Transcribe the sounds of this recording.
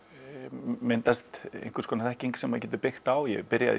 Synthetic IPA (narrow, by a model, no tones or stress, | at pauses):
mɪnt̪ast̪ḛjnkɪɾskʰɔːnaθɛhciŋksɛmacɛːt̪ʏpɪxt̪awjɛ̰pɪɾja̰ð̰